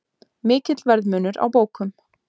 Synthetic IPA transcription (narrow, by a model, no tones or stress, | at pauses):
mɪːcɪt̪lvɛɾðmœːnʏɾʔa̰wpoːwkʏm